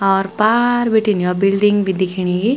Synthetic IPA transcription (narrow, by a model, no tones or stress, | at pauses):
ɔɾpaɾbiʈinjɔbilɖiŋɡbʱid̪ikʰiɽ̃iɡi